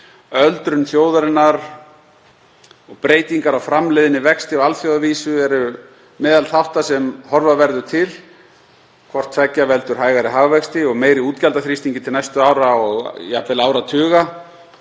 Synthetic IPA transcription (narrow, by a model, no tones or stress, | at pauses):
œlt̪ɾʏnθjoːwðaɾɪnːaɾ | ɔɣpɾeːjt̪iŋkaɾawfɾamlɪðɪnɪvɛkst̪ɪalθfjowðaviːsʏɛɾʏ | mɛːðalθawht̪asɛmhɔɾvaðvɛɾðʏt̪ʰɪl | kʰvɔr̥t̪ʰvɛcːavɛlt̪ʏɾ̥ɦaːjɣaɾɪɦaɣvɛkst̪ɪɔɣmeːjɾɪuːt̪calt̪aθɾist̪iɲcɪt̪ʰɪlnajst̪ʏaːwɾaɔɣja̰pvɪlaːwɾat̪ʰʏːɣa